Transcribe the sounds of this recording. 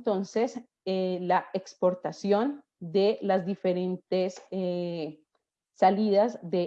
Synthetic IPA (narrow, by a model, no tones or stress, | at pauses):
t̪o̞nse̞s | elaekspo̞ɾt̪asjo̞n | d̪e̞lazd̪ife̞ɾe̞nt̪ese | aliðazd̪e